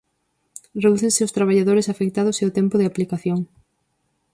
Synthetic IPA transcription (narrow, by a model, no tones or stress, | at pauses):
reðuθeŋsɪʊst̪ɾaβ̞aʎaðoɾɪsafek̚t̪að̞ʊseʊt̪ɛmpʊðɪaplikaθjoŋ